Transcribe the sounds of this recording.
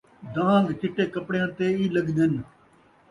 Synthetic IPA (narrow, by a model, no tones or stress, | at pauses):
d̪ãːŋɡt̪ɪʈeːkəpɽeːəɳt̪eːiːləɡd̪ən